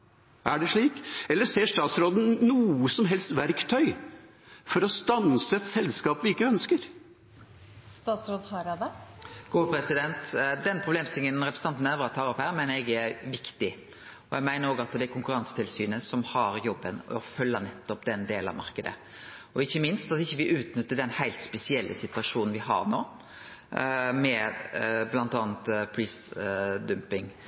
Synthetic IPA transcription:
æɖɛʂɭiːkɛlːəseːʂt̪ɑːt̪sɾoːd̪n̩nuːəsɔmɦɛlst̪ʋæɾkt̪ʰœʏ | fɔɾɔst̪ɑnsəɛt̪sɛlskɑːpʋɪɪkːəœnskəɾ | st̪ɑːt̪sɾoːd̪hɑɾɑd̪ɛɡ̥oːpʰɾɛsɪd̪ɛnt̪d̪ɛnpʰɾʊbleːmst̪ʰɪŋənɾɛpɾəsn̩ɑnt̪næfəɾɑt̪ʰːɑːɾɔphæːɾmɛnəɛɡɛɾʋɪkt̪ɪ | ɔjɛɡmæɪnəɾoːɡəɑt̪d̪ɛæɾkʊŋkʉɾɑnsə̥t̪ʰɪlsyːnəsɔmhɑɾjɔbːənɔfœlːənɛt̪ːɔpd̪ɛnd̪eːlɑ̰ʋmɑ̰ɾkəd̪ə̰ | ɔɪçːəmɪnst̪ɑt̪ɪçːəʋɪʔʉːt̪nʏt̪ːəd̪ɛnhæɪlt̪spɛsɪɛlːʔəsɪt̪ʉɑʂuːnn̩ʋɪhɑ̰ɾnoː | mɛ | blɑnt̪ɑːnt̪pʰɾiːsd̪ʉmpɪŋ

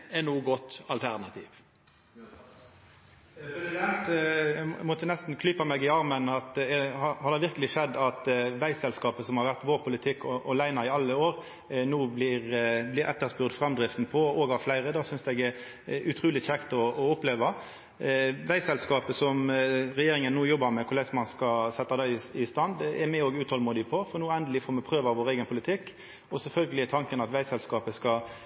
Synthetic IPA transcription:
ɛnuːɡɔt̪ːɑlt̪ʰæʁnɑt̪ʰiːʋ | pɛsd̪ɛnt̪ɛmɔt̪ːənɛst̪nkʰlʏpɑmɛɡɪɑʁmənɑt̪ɛhɑhɑɾd̪ɛʋɪʁkəlɪʂɛd̪ːɑt̪ʋæɪsɛlskɑːpəsɔmhɑɾʋæʁt̪ʋoːʁpʰʊlɪt̪ʰɪkːɔʔɔlæɪnɑɪɑlːəoːʁ | nuːblɪʁblɪɾɛ̰t̪ːəʁspʉʁd̪fɾʁɑmd̪ʁɪft̪n̩pʰɔoːɡɑflæɪʁəd̪ɑːsʏnsd̪ɛɡɛ | ʉt̪ʰɾuːlɪçɛkt̪ɔɔʊpleːʋɑ | ʋæɪsɛlskɑːpəsɔmɾɛjeːɾɪŋənːuːjɔbɑɾmɛkʰʊlɛsmɑnskɑsɛt̪ːɑd̪ɑɪɪst̪ɑnd̪ɛɾmɛoːɡʉːt̪hɔlmuːd̪ɪpʰɔfɔʁnuːɛnd̪əlɪfoːmɛpʰʁøːʋɑʋoːɾeɡənpʰʊlɪt̪ʰɪkː | ɔsɛlfœlɡəlɪt̪ʰɑŋkənɑt̪ʋæɪsɛlskɑːpəskɑ

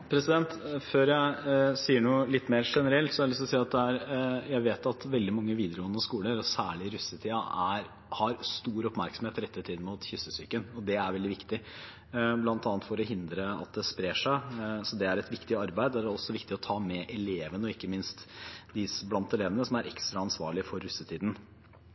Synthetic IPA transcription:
pʰɾɛsɪd̪ɛnt̪føːɾjæɪsiːəɳuːlɪt̪ːmeːɾʂɛnəɾɛlt̪sɔɛlɪsɔsiːɑt̪̚d̪ɛæɾjæɪʋeːt̪ɑt̪ʋɛld̪ɪmɑŋːəʋiːd̪əɾəɡɔnːəskuːləɾɔsæːɭɪɾʉsət̪ʰiːɑæɾ | hɑɾst̪uːɾɔpmæɾksm̩eːt̪ɾɛt̪ːət̪ʰiːd̪mʊt̪çʏsːəsyːkənɔd̪ɛæɾʋɛld̪ɪʋɪkt̪ɪ | blɑnt̪ɑnət̪fɔɾɔɦɪnd̪ɾəɑ̰t̪̚d̪ɛspɾeːʂæɪsɔd̪ɛæɾɛt̪ʋɪkt̪ɪɑɾbæɪd̪æɖɛɔsːɔʋɪkt̪ɪɔt̪ʰɑːmɛʔɛleːʋənəɔɪkːəmɪnst̪d̪ɪblɑnt̪ɛleːʋənəsɔmæɾʔɛkst̪ɾɑɑnsʋɑ̰ːɭɪəfɔɾːʉsːət̪ʰiːd̪n̩

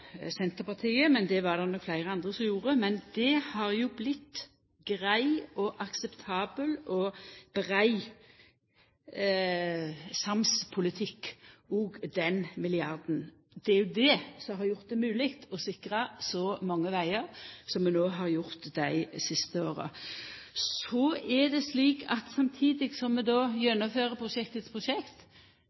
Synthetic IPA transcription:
sɛnt̪əʁpɑʁt̪ʰiːəmɛnd̪ɛʋɑʁd̪ɑnɔkflæɪɾəɑnd̪ʁəsɔmjuːɾəmɛnd̪ɛhɑɾjʊblɪt̪ː | ɡ̥ʁæɪɔʔɑksɛpt̪ʰɑːbəlɔb̥ʁæɪ | sɑmspʰʊlɪt̪ʰɪkːɔːɡd̪ɛnmɪlɪɑɾd̪n̩ | d̪ɛæɾjʊd̪ɛsɔɦɑɾjʊʁt̪̚d̪ɛmʉːlɪkt̪ɔsɪkɾɑsɔmɑŋːəʋæɪəɾsɔmːɛnoːɦɑʁjʊɾt̪d̪æɪsɪst̪əoːɾə̰ | sɔɛd̪ɛsliːkɑt̪sɑmt̪ʰiːd̪ɪɡsɔmːɛd̪ɔːjɛnːʊføːɾəpʰɾʊʃɛkt̪ət̪spʰʁʊʃɛkt̪

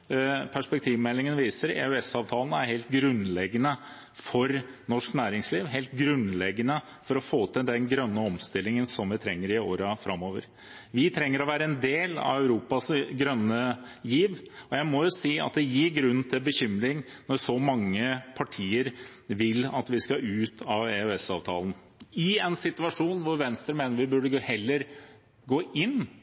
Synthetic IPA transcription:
pʰæʂpɛk̚t̪ʰiːʋmɛlːɪŋənʋiːsəɾḛʉɛsɑːʋt̪ʰɑːln̩æɾheːlt̪ɡɾʉnlɛɡənə | fɔɾnɔʂknæːɾɪŋsliːʋɦeːlt̪ɡɾʉnlɛɡənə | fɔɾɔfoːt̪ʰəd̪ɛnɡɾœnːəɔmst̪ɪlːɪŋənsɔmʋɪt̪ʰɾɛŋːəɾɪoːɾəfɾɑmːoːʋə̰ɾ | ʋɪt̪ʰɾɛŋːəɾɔʋæːɾəɛnd̪eːlɑ̰ʋœʉɾuːpɑsɡɾœnːəjiːʋɔjæɪmɔjʊsiːɑ̰t̪̚d̪ɛjɪːɾɡɾʉnːn̩t̪ʰɪlbəçʏmɾɪŋ | nɔɾsɔmɑŋːəpʰɑʈʰiːəɾ | ʋɪlːɑt̪ʋɪskɑʉːt̪ʰɑʋɛʉɛsɑ̰ːʋt̪ʰɑ̰ːln̩ | ɪɛnsɪt̪ʉɑʂuːnʋʊɾʋɛnst̪ɾəɾmeːnəɾʋɪbʉɖəhɛlːəɾ | ɡoːʔɪnː

